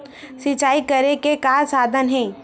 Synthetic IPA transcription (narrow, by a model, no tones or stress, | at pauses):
sɪt͡ʃaːikəɾekekaːɾsaːd̪ʱənɦɛ̃ː